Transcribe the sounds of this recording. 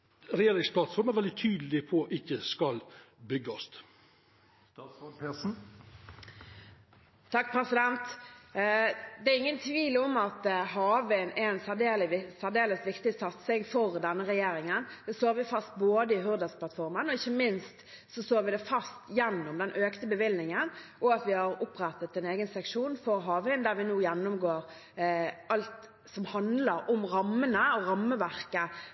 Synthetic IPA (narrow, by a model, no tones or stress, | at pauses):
ɾɛjeːɾɪŋspʰlɑt̪sfɔɾmæɾʋɛld̪ɪt̪ʰyːd̪lɪpʰɔʔɪkːəskɑlbʏɡɑst̪ | pe | t̪ʰɑkːpʰɾɛsɪd̪ɛnt̪ | d̪ɛæɾɪŋːənt̪ʰʋiːlɔmɑt̪ɦɑːʋənɛɛnsæd̪eːlɪsæʁd̪eːləsʋɪkt̪ɪsɑt̪sɪɡfɔɾd̪ɛnːəɾɛjeːɾɪŋənd̪̥ɛst̪oːɾʋɪfɑst̪̚boːd̪əɪɦʉɾd̪əspʰlɑt̪fɔɾmənɔɪçːəmɪnst̪ | sɔst̪oːɾʋɪd̪ɛfɑst̪jɛnːɔmd̪ɛnʔøːkt̪əbəʋɪlnɪŋənʔɔɑt̪ʋɪhɑɾʊpɾɛt̪ːət̪ɛneːɡənsɛkʂuːnfɔɾɦɑːʋɪnd̪æɾʋɪnuːjɛnːʊmɡoːɾ | ɑlt̪ | sɔmhɑnd̪ləɾɔmɾɑmːənəɔɾɑmːəʋæʁkə